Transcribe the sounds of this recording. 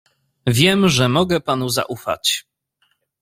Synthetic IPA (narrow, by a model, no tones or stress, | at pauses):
vʲjɛmʐɛmɔɡɛpanuza̰ʔufa̰t͡ɕ